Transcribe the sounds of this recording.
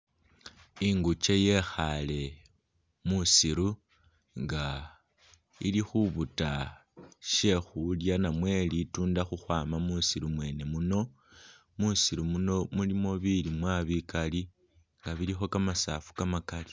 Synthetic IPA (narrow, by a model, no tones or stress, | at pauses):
iŋɡut͡ʃe̞je̞xale̞ | musiɾu | ŋɡa | ilixuβuta | ʃe̞xuljanamwe̞lituːndaxuxwaːmamusiɾumwe̞ːne̞muno̞ | musiɾumuno̞mulimo̞βilimwaβikali | ŋɡaβiɾixo̞kamasafu̥kamakali